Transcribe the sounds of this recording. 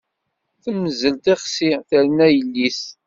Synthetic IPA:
θməzəlt̪eχsiθæɾnæjəlːis

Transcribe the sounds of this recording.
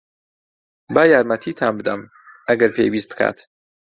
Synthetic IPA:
baːjaːɾmɐt̪ʰiːt̪ʰaːnbɨd̪ɐm | ʔɐɡɐɾpʰḛjwiːst̪b̥ɨ̥kʰa̰ːt̪

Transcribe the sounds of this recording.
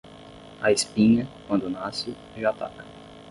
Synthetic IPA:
ɐespĩɲɐkwɐ̃nd̪ʊnasɪ | ʒat̪a̰kɐ

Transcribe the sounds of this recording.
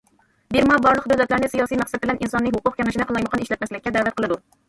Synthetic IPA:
b̪eɾmɑbɑɾlˠəqd̪æwlɛt̪læɾnɪsijɑsijmæqsɛd̪̚bɪlɛnʔinsɑnːɨɦʊqʊqkʰʲɛmɪʃinɨqəlˠɑjməqʰɑneʃlɛt̪mɛslɪkʲːɛd̪æːvɛt̪̚qʰəlˠɨd̪u

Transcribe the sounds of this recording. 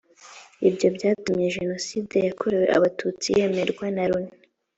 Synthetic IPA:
ibɟo̞bɟaːtumjeʒe̞no̞side̞jakʰoɾe̞we̞ʔa̰βatʰut͡sije̞me̞ɾɡwenaɾuni̥

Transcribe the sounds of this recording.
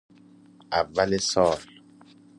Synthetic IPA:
ʔavːalesɔːl

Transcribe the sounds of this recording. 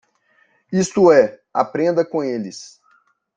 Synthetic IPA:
ist̪ʊɛ | a̰pɾẽnd̪ɐkõelɪs

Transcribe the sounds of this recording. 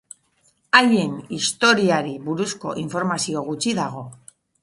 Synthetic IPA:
aʎe̞nist̪o̞ɾiaɾiβuɾusko̞̰ʔiɱfo̞ɾmasio̞ɣ̞ut͡ʃiðaɣ̞o̞

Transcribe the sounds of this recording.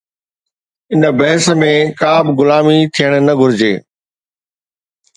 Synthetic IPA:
ɪnəbɐɦəsəmẽkaːbɡʊlaːmit̪ʰijəɽ̃nɐɡʱʊɾɪd͡ʑeː

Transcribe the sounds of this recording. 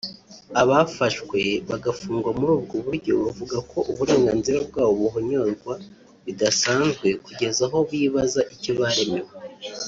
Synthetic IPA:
aβafaʃkwe̞βaɡafuːŋɡwamuɾuːbɡoβuɾɟo̞βavuɡakʰo̞ʔuβuɾe̞ːŋɡaːnziɾabɡaːβoβuɦoɲo̞ɾɡwa | βidasaːnzɡwe̞kuɟe̞zaɦo̞βiːβazaʔicoβaɾe̞me̞we

